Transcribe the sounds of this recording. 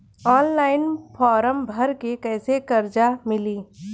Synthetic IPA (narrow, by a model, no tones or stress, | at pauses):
ɔːnlaːɪnpʰɔːɾəmbʱɐɾkekɛːsekɐɾd͡ʒamɪliː